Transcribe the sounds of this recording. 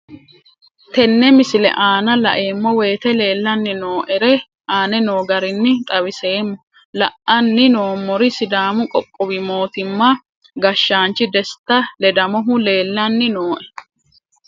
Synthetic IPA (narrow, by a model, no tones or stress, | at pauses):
t̪ɛnːɛmɪsɪlɛ̰ʔaːnɐlɐ̰ʔe̞ːmːɔwe̞ːt̪ɛle̞ːlːɐnːɪno̞ːʔɛɾɛ | ʔaːnɛno̞ːɡɐɾɪnːɪt̪ʼɐwɪse̞ːmːɔ | lɐʔɐnːɪno̞ːmːɔɾɪsɪd̪aːmʊkʼɔkʼːɔbɪmo̞ːt̪ɪmːɐ | ɡɐʃːaːnt͡ʃːɪd̪ɛst̪ːɐlɛd̪ɐmɔɦʊle̞ːlːɐnːɪnoːʔɛ